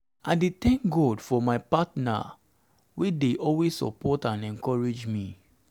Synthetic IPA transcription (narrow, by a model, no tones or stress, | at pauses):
aɪdetɛ̃ŋk̚ɡɔdfɔmaɪpatna̰ | wedeʔɔlwessɔ̰pʰɔtãnɛ̃nkɔɹed͡ʒmi